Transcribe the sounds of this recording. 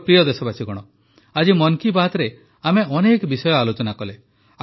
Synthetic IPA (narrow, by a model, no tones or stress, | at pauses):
pɾijɔd̪esɔbat͡ʃʰiɡɔɽ̃ɔ | ad͡ʒimɔŋkibaɦt̪ɾe | ameɔnekbisɔjɔalut͡ʃɔnakɔle | a